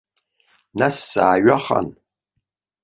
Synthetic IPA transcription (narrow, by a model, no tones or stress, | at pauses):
nasːaːɥaχa̰n